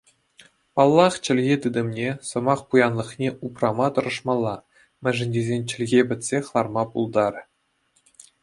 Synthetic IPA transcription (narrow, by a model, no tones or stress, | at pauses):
pɑlˠːɑχt͡ɕɘ̆lʲɣʲet̪ɯd̪ɤ̆mnʲesɤ̆mɑχpujɑnlˠɤ̆χnʲeʔuprɑmɑt̪ɤ̆ɾɤ̆ʂmɑlˠːɑ | mʲɘ̆ʐɘ̆nʲdʲezʲenʲt͡ɕɘ̆lʲɣʲebʲɘ̆t̪ʲsʲeχlˠɑrmɑpulˠd̪ɑɾʲɘ̆